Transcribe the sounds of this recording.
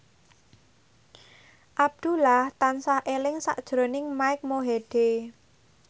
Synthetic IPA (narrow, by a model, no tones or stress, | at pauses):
ʔab̚d̪̥ulaht̪ansahʔelɪŋsa̰ʔd̥ʒ̥ɾonɪŋmaɪk̚moɦeɖ̥e